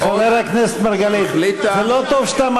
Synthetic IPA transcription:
χaveɾaknese̥t̪maʁɡalizelot̪ovʃt̪am

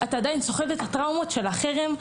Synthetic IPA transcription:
ataːdajinso̞χevet̪atʁawmo̞tʃe̞laχeʁem

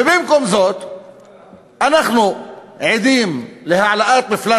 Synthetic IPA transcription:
ɪbɪmkomzoːt̪ | ʔanaxnu | ʕɪd̪iːmlɪhaʕalaʔaːt̪̚bɪflaː

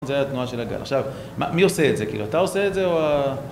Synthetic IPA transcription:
nzeajaat̪nuaʃe̞laɡa̰lʔaχʃav | ma̰mio̞se̞ːtzekḭːluat̪aose̞etdzeoa

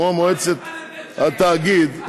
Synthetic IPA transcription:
omoet͡set̪at̪aɡid̪

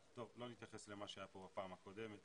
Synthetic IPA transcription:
t̪o̞vlo̞nit̪jaχesle̞maʃeajapo̞bapaːmako̞d̪e̞met̪

